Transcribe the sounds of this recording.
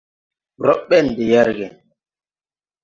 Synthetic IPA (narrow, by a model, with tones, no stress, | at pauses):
ɾɔ˦ɓɛ˦˨n˨de˨jɛ˦ɾɡɛ˨